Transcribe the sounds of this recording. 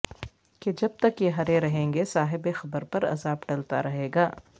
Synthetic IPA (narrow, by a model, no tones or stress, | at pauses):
ked͡ʒɐb̚t̪ɐkjeɦɐɾeɾɐɦẽːŋɡesaːɦɪbexɐbəɾpɐɾɐ̰zaːbɖɐlt̪a̰ɾɐɦeːɡaː